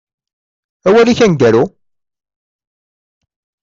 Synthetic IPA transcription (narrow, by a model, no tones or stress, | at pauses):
æwæliçænɡæɾu